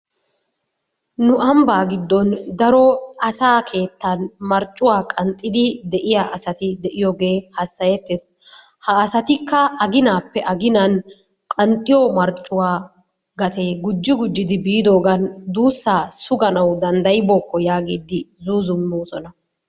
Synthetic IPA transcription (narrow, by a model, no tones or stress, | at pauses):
nʊʔɐmbaːɡɪd̪ːɔnd̪ɐɾɔɐsaːkʰe̞ːt̪ːɐnmɐɾt͡ʃʼːʊwaːkʼɐnt̪ʼːɪd̪ɪd̪ɛʔɪjaːʔɐsɐt̪ɪd̪ɛʔɪjɔɡe̞ːhɐsːɐjɛt̪ːes | hɐːsɐt̪ɪkːɐɐɡɪnaːpːɛʔɐɡɪnɐn | kʼɐnt̪ʼːɪjɔmɐɾt͡ʃʼːʊwaː | ɡɐt̪ʰeːɡʊd͡ʒːɪɡʊd͡ʒːɪd̪ɪbiːd̪o̞ːɡɐnd̪uːsːaːsʊɡɐnɐwd̪ɐnd̪ɐjɪbɔːkʰːɔjaːɡeːd̪ːɪzuːzʊmːuːsɔnɐ